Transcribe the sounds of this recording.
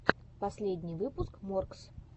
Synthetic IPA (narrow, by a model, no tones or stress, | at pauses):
pɐsʲlʲedʲnʲɪjvɨpʊskmorks